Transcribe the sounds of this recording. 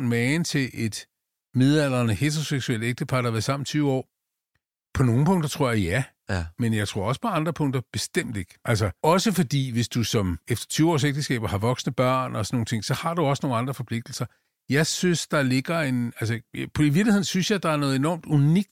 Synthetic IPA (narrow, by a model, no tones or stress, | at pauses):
mɛːnt͡sʰe̝ʔe̝d̥ | me̝ðˠæl̰ɐnəhet͡sʰʁoseɡ̥suel̰d̥eɡ̥̚d̥əpʰɑ̈ːɾ̥ɐʋæɐsɑ̈m̰n̩t͡sʰyːʊɒ̰ː | pʰɒ̽no̝ːŋn̩pʰɔ̽ŋ̰d̥ɐt͡sʰʁo̝ɐ̰jjæ | menjɑ̈ɪt͡sʰʁo̝ɐɒ̽sə̥pʰɒ̽ɑ̈nd̥ʁɐpʰɔ̽ŋ̰d̥ɐb̥e̝sd̥em̰d̥e̝ɡ̥ʔælsɐɒ̽səfɒ̽d̥ḭːʋe̝sd̥usɒ̽mefd̥ɐ̥t͡sʰyːʊɒ̰ːs̬eɡ̥̚d̥əsɡ̥ɛ̰ːb̥ɐhɑ̈ʋɒ̽ɡ̥snəb̥ɶɐ̰nɒ̽sɒnːo̝ːŋn̩t͡sʰe̝ŋ̰sɒ̽hɑ̈d̥uɒ̽sno̝ːn̩ɑ̈nd̥ʁɐfɒ̽pʰle̝ɡ̥̚d̥l̩sɐ | jɑ̈ɪsynsd̥ɑ̈le̝ɡ̥ɐe̝nælsəpʰiʋiɐɡ̥lihe̝nsynsjɑ̈ɪd̥ɑ̈æɐnɔ̽ð̩ˠe̝nɒ̰ːmd̥uniɡ̥̚d̥